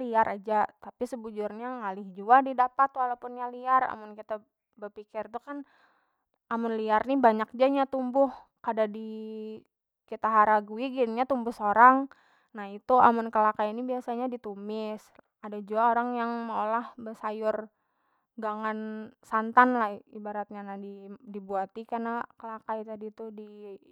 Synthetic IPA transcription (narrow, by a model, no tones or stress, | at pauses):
liaɾʔad͡ʒat̪apisəbud͡ʒʊrɲaŋalɪhd͡ʒuadidapat̪ːalapʊnjaliara̰mʊnkit̪a | bərpikɪrt̪ukan | amʊnliarnibaɲak̚d͡ʒaɲat̪umbʊh | kadadi | kit̪aɦaɾaɡuiɡiniɲat̪umbʊhsoɾaŋ | nahit̪uamʊnkəlakainibiasaɲadit̪umɪs | adad͡ʒuaoɾaŋjaŋməolahbəsajʊr | ɡaŋansant̪anlahibaɾat̪̚ɲanahdidibuat̪ikanakəlakait̪adit̪udi